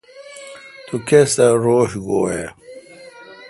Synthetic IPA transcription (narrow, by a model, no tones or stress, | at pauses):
t̪ukesaɾoːɕɡoːe